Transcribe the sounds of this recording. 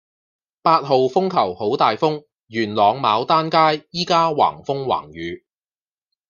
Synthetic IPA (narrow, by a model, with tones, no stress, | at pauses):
paː˧t̚ho˨wfʊ˥ŋkʰɐ˨˩who˨˥wt̪aː˨jfʊ˥ŋ | jyː˨˩nlɔː˨˧ŋmaː˨˧wt̪aː˥nkaː˥jːiː˥kaː˥wa̰ː˨˩ŋfʊ˥ŋwa̰ː˨˩ŋjyː˨˧˦